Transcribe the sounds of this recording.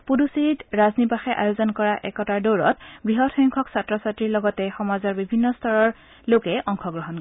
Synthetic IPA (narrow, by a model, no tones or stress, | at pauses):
pudusitɹaznibaxɛʔa̰jozɔnkɔɹaʔɛkɔtaɹdoɹɔtbɹiɦɔtʰɔjŋkʰɔksatɹɔsatɹiɹlɔɡɔtɛxɔmazɔɹbibʱinːɔstʰɔɹɔɹ | lokɛʔɔŋkʰɔɡɹɔɦɔnkɔ